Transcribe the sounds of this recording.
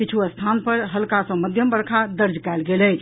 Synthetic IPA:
kit͡ʃʰuəst̪ʰanpəɾɦəlkasə̃məd̪ʱjəmbəɾkʰad̪əɾd͡ʒkɛelɡelət͡ʃʰ

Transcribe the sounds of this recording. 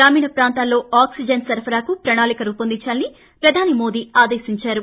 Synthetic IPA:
ɡɾaːmiːɳɐpɾaːnt̪aːlːo̞ːaːksid͡ʒɐnsɐɾpʰɐɾaːkupɾɐɳaːlikɐɾuːpɐnd̪it͡ʃːaːlini | pɾɐd̪ʱaːnimo̞ːd̪iːaːd̪eːsiɲt͡ʃaːɾu

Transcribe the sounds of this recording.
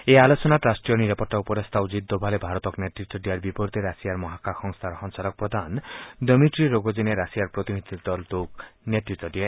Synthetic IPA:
ealot͡ʃɔnaʈɾasʈɾijɔniɾapɔɾʈ̪aupɔɾest̪ʰawd͡ʒid̪ːɔbʱalebʱaɾɔt̪ɔkneʈɾik̚t̪ːɔɖiaɾbipɔɾt̪eɾasijaɾmɔɦakaxɔŋst̪ʰaɾɔxɔŋsalɔk̚pɾɔd̪ʱand̪əmiʈɾiɾoɡod͡ʒineɾasijaɾpɾot̪inid̪ʱid̪ɔlt̪okneʈɾik̚t̪ːɔɖia

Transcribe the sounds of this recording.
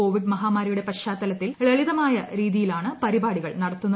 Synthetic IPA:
o̞ːʋiɖmɐɦaːmaːɾijuɽe̞pɐɕaːt̪ːɐlɐt̪ːilɭɐɭiðɐmaːjɐɾiːðijilaːɳɨpɐɾibaːɽiɣɐɭnɐɽɐt̪ːunːɐ

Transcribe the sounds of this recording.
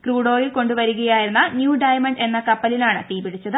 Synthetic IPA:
kruːɽo̞ːjilko̞ɳɖuʋɐɾuɣɐjaːjiɾunːɐnjuːɖɐjɐmɐɳɖe̞nːɐkɐpːɐlilaːɳɨt̪iːbiɽit͡ɕːɐðɨ

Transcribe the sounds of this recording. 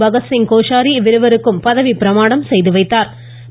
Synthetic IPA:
bɐɣɐsɪŋkoːʂaːɾiʋɪɾɯʋɐɾɯkːɯmpɐðɐʋipɪɾɐmaːɽɐmsɛjðɯʋɐɪt̪ːaːɾ

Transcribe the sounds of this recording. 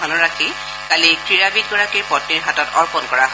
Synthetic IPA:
ɔnɔɹakʰi | kalikɹiɹabit̚ɡɔɹakijpɔt̚niɹɦatɔtɔɹpɔnkɔɹaɦ

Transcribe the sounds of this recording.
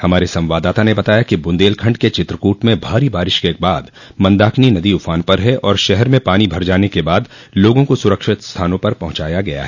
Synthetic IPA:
hɐmaːɾesɐ̃mʋaːd̪aːt̪anebɐt̪aːjakibʊ̃nd̪eːlkʰɐ̃ɳɖket͡ʃɪt̪ɾəkuːʈmẽbʱaːɾibaːɾɪʃkebaːd̪ | mɐ̃nd̪aːkʰninɐd̪iʊfaːnpɐɾɦɛʔɔːɾʃɛɦɛɾmẽpaːnibʱɐɾd͡ʒaːnekebaːd̪ | loːɡõkosʊɾəkʃɪt̪st̪ʰaːnõpɐɾpɐɦʊ̃t͡ʃaːjaɡɐja̰ɦɛː

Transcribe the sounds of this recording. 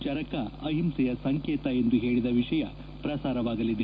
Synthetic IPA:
t͡ʃɐɾɐkɐɐɦimsɛjɐsɐŋkeːt̪ɐe̞nd̪uɦeːɭid̪ɐʋiʂɐjɐ | pɾɐsaːɾɐʋaːɡɐlid̪e

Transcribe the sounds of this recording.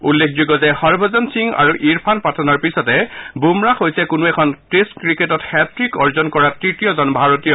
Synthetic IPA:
ulːekʰzuɡɔzɛxɔɹbʱɔzɔnsiŋa̰ɹuʔiɹpʰanpatʰɔnɔɹpisɔtɛbumɹaxojsɛkʊnuɛkʰɔnteskɹiketɔthɛtɹikɔɹzɔnkɔɹatɹitijɔzɔnbʱaɹotijɔ

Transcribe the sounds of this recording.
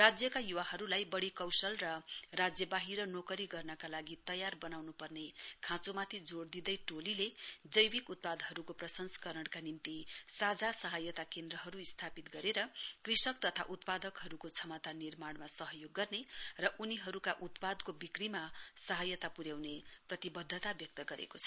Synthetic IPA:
rad͡zjʌkajuwaɦʌɾulajbʌɽikʌwsʌlrʌrad͡zjʌbaɦiɾʌnokʌɾiɡʌrnʌkalaɡit̪ʌjarbʌnawnupʌrnekʰãt͡somat̪ʰid͡zoɽd̪id̪ʌjʈoliled͡zʌjbikut̪̚pad̪ɦʌɾukoprʌsʌnsʌ̥kʌɾʌɽkanimt̪isad͡zasʌɦʌjʌt̪akend̪rʌɦʌɾuist̪ʰapit̪ɡʌɾeɾʌkrisʌkt̪ʌt̪ʰa̰ʔut̪pad̪ʌkɦʌɾukot͡sʰʌmat̪anirmaɽmasʌɦʌjoɡːʌrnerʌʔuniɦʌɾukaʔut̪pad̪kobikrimasʌɦʌjʌt̪apuɾjawneprʌt̪ibʌd̪ʱːʌt̪abjʌk̚t̪ʌɡʌɾḛkot͡sʰʌ̥

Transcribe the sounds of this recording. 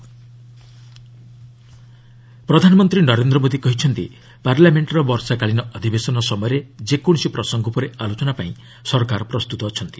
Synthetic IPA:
pɾɔd̪ʱanɔmɔnt̪ɾinɔɾend̪ɾɔmod̪ikɔɦit͡ʃʰɔnt̪ḭ | paɾlameɳʈɾɔbɔɾsakaɭinɔʔɔd̪ʱibesɔnɔsɔmɔjɔɾed͡ʒekoɽ̃sipɾɔsɔŋɡʱɔpɔɾealot͡ʃɔnapaĩ | sɔɾkaɾɔpɾɔst̪ut̪ɔːt͡ʃʰɔnt̪i̥

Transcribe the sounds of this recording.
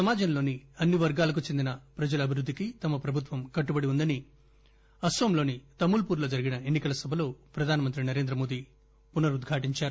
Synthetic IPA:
sɐmaːd͡ʒɐmlo̞ːniɐnːiʋɐɾɡaːlɐkut͡ʃe̞nd̪inɐpɾɐd͡ʒɐlɐbʱiɾud̪ʱːikit̪ɐmɐpɾɐbʱut̪ʋɐmkɐʈːubɐɽiund̪ɐni | ɐsʋɐmlo̞ːnit̪ɐmːulpuːɾlo̞ːd͡ʒɐɾiɡinɐe̞nːikɐlɐsɐbʱɐlo̞ːpɾɐd̪ʱaːnɐmɐnt̪ɾinɐɾe̞ːnd̪ɾɐmo̞ːd̪i | punɐɾud̪ɡʱaːʈiɲt͡ʃaːɾu

